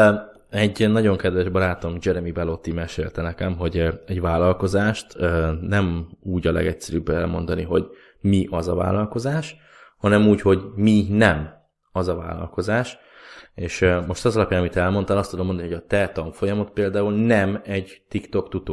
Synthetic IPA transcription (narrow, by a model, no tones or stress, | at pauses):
ɛɟnɒɟo̞ŋkɛd̪vɛʒbɒɾaːt̪o̞md͡ʒɛɾɛmibɛlo̞t̪ːimɛʃeːlt̪ɛnɛkɛmɦo̞ɟɛɟvaːlɒlko̞zaːʃt̪ːnɛmuːɟɒlɛ̰ɡɛcsɛɾybːɛ̰lmo̞nd̪ɒniɦo̞ɟ | miʔɒzɒva̰ːlɒlko̞zaːʃ | hɒnɛmuːcho̞ɟminɛm | ɒzɒva̰ːlɒ̰lko̞zaːʃ | eːʃmo̞ʃt̪ɒzɒlɒpjaːnɒmit̪ɛlmo̞nt̪ɒlɒst̪ud̪omond̪ɒnihojɒt̪ɛt̪ɒɱfo̞jɒmo̞t̪̚peːld̪aːulnɛmɛɟt̪ikt̪o̞kt̪ut̪oː